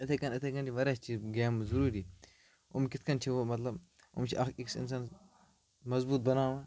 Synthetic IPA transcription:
ɐt̪ʰekɐnɐt̪ʰekɐnt͡ʃʰiʋɐɾast͡ʃʰiɡɛːmzuɾuːɾiː | ʊ̰mkɪt̪ʰkɐnt͡ʃʰiʋomɐt̪lɐb | ʊ̰mt͡ʃʰiʔɐkiksɪ̰ns̬aːn | mɐzbuːt̪̚bɐnaːʋaː

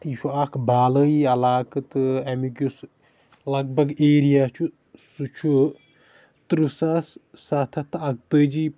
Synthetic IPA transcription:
iʃuakʰbaːlɐiɐlaːkɐt̪ɨɐmikus | lɐɡ̚bɐɡeːɾijaːt͡ʃʰu | sut͡ʃʰu | t̪ɾusassaːt̪ʰɐt̪ʰɐɡ̚t̪əːd͡ʒi

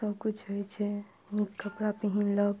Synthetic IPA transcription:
əbkut͡ʃʰɦojt͡ʃʰɛ | nikkəpɾapiɦinləb

